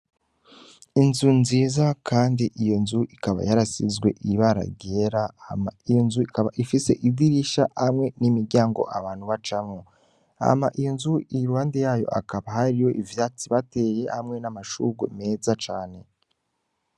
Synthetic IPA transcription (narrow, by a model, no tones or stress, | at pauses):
inzunziːzakʰaːndiʔijo̞nzuʔikaβa̰jaɾasḭzɡwe̞̰ʔiβaɾa̰ɡeɾahamaijo̞nzuikaβaʔifise̞̰ʔidiɾiʃahamŋe̞nimiɾɟaːŋɡo̞̰ʔaβaːn̥huβat͡ʃamo | a̰maʔijo̞nzuiɾuhaːndejaːjo̞̰ʔa̰kaβaɦaɾijo̞ʔivjaːt͡siβate̞je̞hamŋe̞namaʃṵɡome̞ːzat͡ʃaːne̞